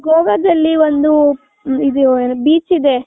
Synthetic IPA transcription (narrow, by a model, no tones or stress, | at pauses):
ɡoːɡɐd̪ɐlːiond̪u | id̪ubiːt͡ʃid̪e̞